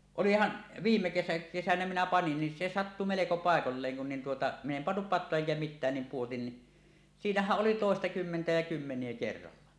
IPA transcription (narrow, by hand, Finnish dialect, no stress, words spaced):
olihɑn ʋiːmːe kesæ kesænæ minæ pɑnin ni se sɑtːu meleko pɑˑekolːeːŋ kun nin tuotɑ min em pɑnːup pɑtˑoɑ eŋkæ mitˑæːn nim puotin ni siːnæhæʔ ʔoli toˑestɑkymːentæ jɑ kymːenˑie kerːɑlːɑ